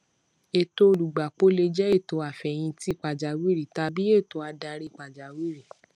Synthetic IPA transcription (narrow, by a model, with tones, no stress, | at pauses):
e˨to˧o˧lu˨ɡ͡ba˨k͡po˨˦le˧d͡ʒɛ˦e˦˨to˨˧a˨fɛ˨j̃ĩ˧ti˦˧˨k͡pa˨d͡ʒa˨wi˦ɾi˨ta˧bi˦e˦˨to˧˦a˧da˧ɾi˦i˨k͡pa˨d͡ʒa˨wi˦ɾi˦˨